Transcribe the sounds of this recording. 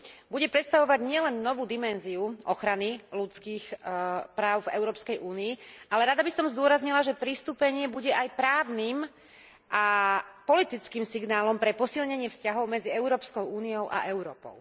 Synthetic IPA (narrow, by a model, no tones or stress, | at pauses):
buɟɛpɾɛt̪st̪aʋɔʋaɟɲɪɛlɛnːɔʋuːd̪imɛnziuʔɔxɾanilut͡skiːxpɾaːʊvɛ̰ʊɾɔːpskɛjʔuːniːʔalɛɾad̪abisɔmzd̪ʊɔɾazɲilaʒɛpɾist̪uːpɛɲɪɛbuɟɛʔajpɾaːʊnim | ʔapɔlit̪it͡skiːmsiɡnaːlɔmpɾɛpɔsilɲɛɲɪɛfscaɦɔʊmɛd͡ziɛʊɾɔːpskɔʊuːniɔʊʔa̰ʔɛʊɾɔːpɔ̰ʊ